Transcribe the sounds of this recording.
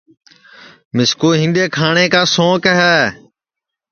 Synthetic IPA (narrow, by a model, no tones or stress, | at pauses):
mɪskoːɦɪ̃nɗeːkʰaːɳeːkaːsõːkəɦɛː